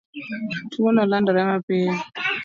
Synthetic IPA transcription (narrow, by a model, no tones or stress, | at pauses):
tuwɔnalandaɾajamapeni